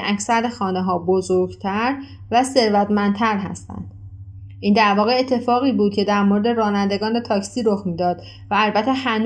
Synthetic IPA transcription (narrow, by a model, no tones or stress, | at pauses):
ʔæcsæɾd̪exɒːneɦɒːbozoɾɡt̪ʰæɾ | væse̞ɾvæt̪mænt̪ʰæɾɦæ̰st̪æ̰nd̪̥ | ʔiːnd̪æɾvɒːɣeet̪ʰːe̞fɒːɣiːbuːd̪̚cʰe̞d̪æɾmo̞ɾed̪e̞ɾɒːnænd̪e̞ɡɒːnet̪ʰɒːcsiːɾoxmiːd̪ɒːd̪ | væælbæt̪ʰːehæn